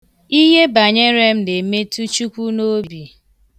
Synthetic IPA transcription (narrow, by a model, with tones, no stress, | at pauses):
i˦ɦe˦ba˨ɲe˦ɾe˦m̩˦ne˨me˦tu˦t͡ʃu˦kʷu˦no˦˨bi˨